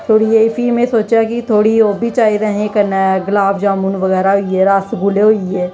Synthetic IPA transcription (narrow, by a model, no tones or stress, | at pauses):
t̪ʰoːɽieɪfimẽsoːt͡ʃakit̪ʰoːɽioːbʱit͡ʃaːiɾɐɦẽkɐɾnaɡlaːbʰd͡ʒaːmunʋəɣɛːɾaɦʊiɛɾasɡʊleɦʊiɛː